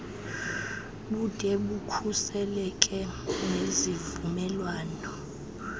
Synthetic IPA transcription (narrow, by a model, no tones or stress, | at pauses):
ɓud̥ʱʼɛɓukʰusɛlɛkʼɛnezivumɛlwaːnɔ